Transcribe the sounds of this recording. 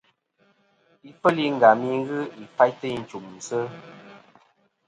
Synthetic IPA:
i˦fə˦li˦ŋ̩˨ɡa˨mi˦ɣɨ˦i˨fa˦jtə˦i˨n̩˨t͡ʃu˨m̩˨sə˦

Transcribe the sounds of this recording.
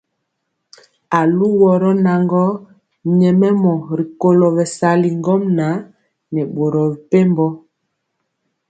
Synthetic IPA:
a˨lu˦wɔ˨ɾɔ˦na˨ŋɡɔ˦ | ɲɛ˨mɛ˦mɔ˨ɾi˨ko˦lɔ˨bɛ˨sa˦li˨ŋɡɔ˦mna˨˦ | nɛ˨ɓo˨ɾɔ˨bi˨pe˦mbɔ˦

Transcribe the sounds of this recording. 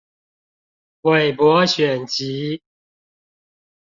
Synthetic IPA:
xwe˨˩ɪpwɔ˨˦ɕɥɛ˨˩nt͡ɕi˨˦

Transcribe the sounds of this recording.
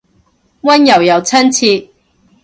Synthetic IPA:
wɐ˥njɐ˨˩wjɐ˨˩wt͡sʰɐ˥nt͡sʰiː˧

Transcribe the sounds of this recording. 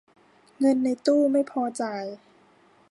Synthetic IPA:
ŋɤ˧nːa˧jt̪uː˥˩ma˥˩jpʰɔː˧t͡ɕa˧˩j

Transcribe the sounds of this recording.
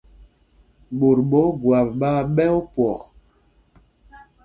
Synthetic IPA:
ɓo˨ɾɓɔ˨˦ɡwa˨p̚ɓa˦ɓɛ˦o˦pwɔ˨k

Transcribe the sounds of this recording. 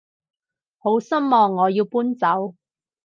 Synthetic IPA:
ho˨˥wsɐ˥mmɔː˧ŋːɔː˨˧jiː˧wpuː˥nt͡sɐ˨˥w

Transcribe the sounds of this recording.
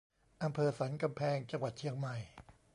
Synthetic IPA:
ʔa˧mpʰɤː˧sa˩˦nka˧mpʰɛː˧ŋt͡ɕa˧ŋwa˨˩t̪̚t͡ɕʰi˦əŋma˨˩j

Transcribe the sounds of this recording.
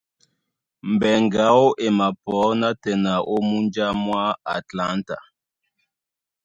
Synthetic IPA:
mbɛ˨ŋɡa˨˦o˦ʔe˨ma˨pɔ˨˦na˦tɛ˨na˨ʔo˦mu˦nd͡ʒa˦mwa˦a̰˨tla˦nta̰˨

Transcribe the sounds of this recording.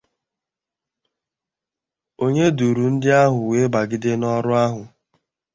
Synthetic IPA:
o˦ɲe˦du˨ɾu˨n̩˦dɪ˦a˦ɦʊ˨we˦ba˨ɡɪ˦dɪ˦nɔ˦ɾʊ˦a˦ɦʊ˨

